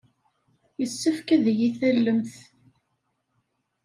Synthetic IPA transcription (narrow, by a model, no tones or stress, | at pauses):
jəsːəfkæðjiθəlːəmθ